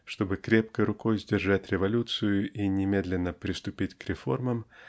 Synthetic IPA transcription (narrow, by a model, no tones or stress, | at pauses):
ʂt̪o̞bɨkɾʲe̞p̚kəjɾʊko̞jzʲdʲɪrʐatʲɾʲɪvɐlʲut̪sɨjʊʔinʲɪmʲe̞d̪lʲɪnːəpɾʲɪst̪ʊpʲitʲkɾʲɪfo̞̰rməm